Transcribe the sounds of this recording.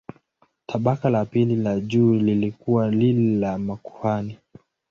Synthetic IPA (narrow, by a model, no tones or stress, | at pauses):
tʰaɓakalapililaʄuːlilikuwalililamaku̥hani